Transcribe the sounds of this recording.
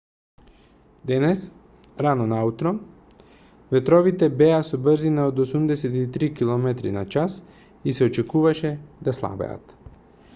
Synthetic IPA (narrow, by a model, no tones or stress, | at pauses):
d̪ɛnɛs | ɾanɔnaut̪ɾɔ | vɛt̪ɾɔvit̪ɛbɛasubr̩zinaod̪osumd̪ɛsɛt̪it̪ɾikilˠɔmɛt̪ɾinat͡ʃas | isɛot͡ʃɛkuvaʃɛd̪aslˠa̰bɛ̰ja̰t̪